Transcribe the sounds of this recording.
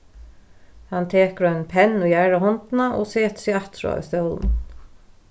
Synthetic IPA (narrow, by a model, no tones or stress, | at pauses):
hant̪ʰeːkɾœnpʰɛnːujæɹahɔnt̪naʔo̰ːseːt̪siːat̪ɾʊ̰a̰ʏ̰st̪œːln